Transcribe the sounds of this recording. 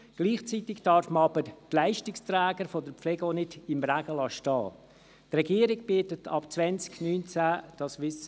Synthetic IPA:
ɡ̥liːχt͡sitɪktɑɾfməɑbəɾtlæɪʃtɪkstɾæːɡəɾfodəɾpflɛɡonɪdɪmræɡ̥əlɑʃtɑ̰ː | trɛɡiːəɾɪɡbiːtətʰɑ̰pt͡sʋɛnt͡sknyːnt͡sæːd̥ɑsʋɪs

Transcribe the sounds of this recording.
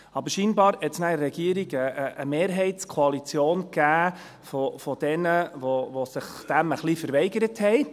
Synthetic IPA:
ɑbəɾʃiːnbɑːɾhɛtsnæəɾɛɡ̥iːəɾiɡəəə̰meːɾɦɛɪtt͡skʰoɑlit͡sjoːnkæː | fofɔd̥ɛnəʋoʋosɪχd̥æməχlifəɾvɛɪɡəɾəthɛɪ

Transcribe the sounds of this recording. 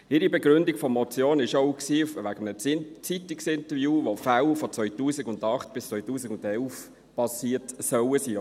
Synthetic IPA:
ɪɾibɛɡɾʏndikfɔmɔt͡sjoːnɪʃoʊksiːʋæɡəmnət͡sit̪iksɪntəvjuːʋofawfɔt͡sʋœʏtuːsiɡʊndɑχt̚b̥ɪst͡sʋœʏtuːsiɡʊndɛlf | pɑsiːətsœwəsiː

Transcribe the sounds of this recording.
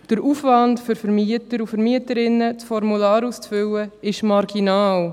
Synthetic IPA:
d̥əɾuːfvɑndføɾfəɾmiətəɾufəɾmiətəɾɪnːət͡sfɔɾmulɑːɾust͡sfʏwəɪʃmɑɾɡ̥inɑːl

